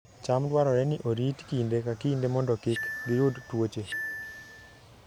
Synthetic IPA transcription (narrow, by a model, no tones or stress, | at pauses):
t͡ʃamdwaɾɔɾɛniʔoɾitkindekakindemɔndɔkɪkɡiɾudtwot͡ʃe